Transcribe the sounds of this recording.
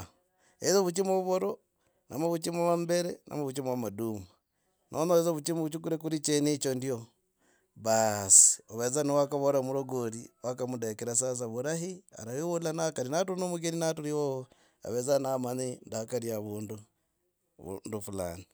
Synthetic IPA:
ezoβut͡ʃimoβuβoɾo | na̰maβut͡ʃimwaβambeɾenʔa̰maβut͡ʃimwamaduma | nʔonoezoβut͡ʃimuβut͡ʃuk̬uɾek̬uɾit͡ʃenit͡ʃondio | βasi̥oβezanewakaβoɾamuɾoɡoɾiwakamudekeɾas̬as̬aβuɾaɦia̰ɾajiwolanakaɾinatunomuɡeninatuɾiwoo | a̰βezanamanindakaɾiaβuːndṵ | ndufula̰ni

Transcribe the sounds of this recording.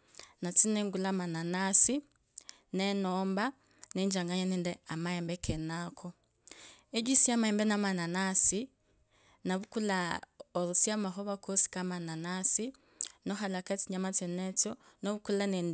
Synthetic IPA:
nat͡sinɛŋɡulamananasi | nɛnɔmba | nɛɲd͡ʒaŋɡaɲanɛndɛamaɛmbɛkʰɛnakʰɔ | ɛd͡ʒisiamaɛmbɛnamananasi | naβukulaɔɾusiamaɦɔβakosi̥kamananasi | nɔɦalakat͡siɲamat͡sɛnɛt͡sɔnɔβukulanɛn

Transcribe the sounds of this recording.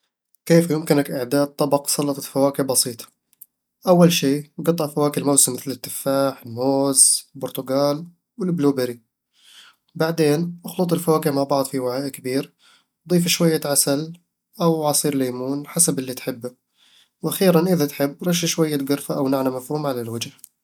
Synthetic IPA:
keːfjʊmkɪnakʔaʕd̪aːd̪̚t̪ˤːɑbɑqsˤɑlːɑt̪ˤɑ̥t̪fawaːkɪbɑsiːt̪ˤɑ̥ | ʔawːalʃeːɡɑt̪ˤːɑʔfawaːkɪlmawsɪmːɪθlɪt̪ːɪfːaːħɪlmoːzlbʊɾt̪ʊɡaːl | wɪlbluːbɪɾi | baʕd̪eːnʔʊxlʊt̪ˤɪlfawaːkɪmaʕbɑʕd̪ˤfiwaʕaːʔkabiːɾ | wd̪ˤiːfaʃwajːaʕasal | ʔawʕɑsˤiːɾleːmuːnħasabɪlːit̪ħɪbːa | wʔaxiːɾanʔɪðat̪ħɪbːɾˤɑʃaʃwajːat̪ɡʊɾfaʔawnaʕnamafhuːmʕalalwɪd͡ʒ

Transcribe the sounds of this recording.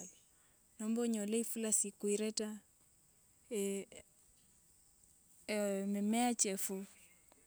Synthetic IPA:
lɔ | nɔmbɔɲɔlɛifulasikuiɾɛta | mɛmɛat͡ʃɛfu

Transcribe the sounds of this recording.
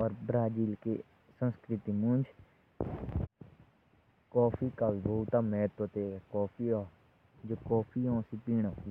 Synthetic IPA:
ɔːɾbɾaːd͡ʒiːlkḛ | sə̃nskɾɪt̪iːmʊ̃nd͡ʒ | kɔːpʰiːkaːʋiːbout̪aːmɛːt̪ot̪eːkɔːpʰiːɔː | d͡ʒoːkɔːpʰiːɔ̃ːsipiːɳ̃aː

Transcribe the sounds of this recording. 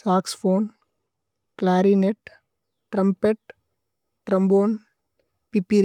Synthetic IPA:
saːksfoːn | klaːɾineʈ | ʈɾɐmpeʈ | ʈɾɐmboːn | pipiɾ

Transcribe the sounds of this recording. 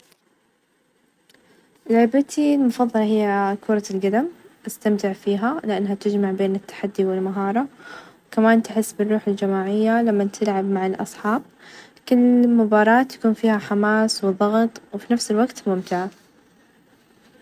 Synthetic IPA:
ʔlʕɪbat̪ʰilmʊfɑðˤːɑlɑhɪjːakuːɾˤɑlɡad̪amʔast̪amt̪ɪʕfiːɦalɪʔanːhat̪ɪd͡ʒmaʕbeːnɪt̪ːḁħad̪ːiwɪlmaɦɑːɾˤɑwwkamaːnt̪ɪħɪsːbɪrːuːħɪld͡ʒamaːʕɪjːalamːat̪ʰɪlʕabmaʕɪlʔɑ̰sˤħɑːb̚ | kɪlːmʊbɑːɾˤɑːt̪jḁkuːnfiːhaħamaːswɨðˤːɑɣt̪ˤwfinafsɪlwaɡt̪mʊmt̪ɪʕa

